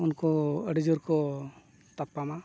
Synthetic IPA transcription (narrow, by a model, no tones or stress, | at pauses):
unkɔəɖid͡ʒɔɾkɔ | t̪apːama